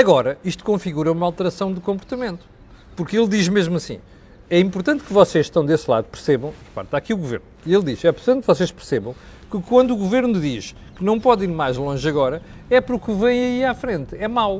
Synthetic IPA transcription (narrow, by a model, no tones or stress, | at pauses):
ɐɣɔɾɐiʃt̪u̥kõfiɣuɾɐumɐalˠt̪ɨɾɐsɐ̃w̃d̪ukõmpuɾt̪ɐmẽnt̪u̥ | puɾkelˠd̪iʒmeʒmuɐsḭ̃ | ɛĩmpuɾt̪ɐ̃nt̪̚kɨvɔseʃʃt̪ɐ̃w̃d̪eslˠa̰ðupɨɾseβɐ̃w̃ɾpa̰ɾt̪aɐkiuɣuvḛɾnuielˠd̪iʃɛpuɾt̪ɐ̃nvɔseʃpɨɾseβɐ̃w̃ | kɨkwɐ̃nd̪uːɣuveɾnuðiʃ | kɨnɐ̃w̃pɔðiɾmajʒlˠõʒɐɣɔɾɐɛpɐɾukɨvɐ̃j̃ɐiafɾẽnt̪ɛmawˠ